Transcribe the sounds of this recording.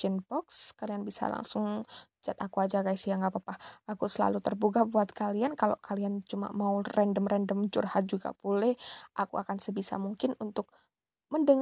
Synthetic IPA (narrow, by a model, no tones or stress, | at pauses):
ɛnpɔkskalianbisa̰la̰ŋsʊŋd͡ʒat̪akuad͡ʒakaisijaŋɡapapahakusəla̰lut̪ərbuɡabuat̪̚kaliankalo̰kaliant͡ʃuma̰maurɛndəmrɛndəmt͡ʃṵrhat̪̚d͡ʒuɡa̰polɛʔakuʔakansəbisa̰muŋkɪnunt̪ʊk̚ | məndəŋ